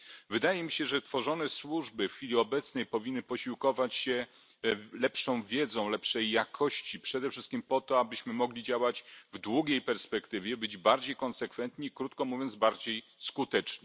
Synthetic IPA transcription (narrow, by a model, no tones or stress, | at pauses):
vɘd̪ajɛmʲiɕɛʐɛt̪fɔʐɔnɛswuʐbɘfxʲfʲilʲiɔbɛt̪snɛjpɔvʲinːɘpɔɕiwkɔvat͡ɕɕɛ | lɛpʂɔ̃w̃vʲjɛd̪zɔ̃w̃lɛpʂɛjːakʰɔɕt͡ɕipʂɛd̪ɛfʂɘst̪̚kʲimpɔt̪ɔabɘɕmɘmɔɡlʲid͡ʑawat͡ɕvd̪wuɡʲejpɛɾspɛkt̪ɘvʲjɛbɘd͡ʑbaɾd͡ʑejkɔnsɛkfɛnt̪ɲiːkɾut̪̚kɔmuvʲjɔnd̪zbaɾd͡ʑej | skut̪ɛt͡ʂɲɛ